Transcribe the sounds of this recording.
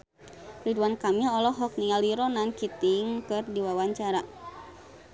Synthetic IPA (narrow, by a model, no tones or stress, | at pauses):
riduankamiɔlɔɦɔk̚niŋaliɾɔnankit̪iŋkɨrdiwawaɲt͡ʃaɾa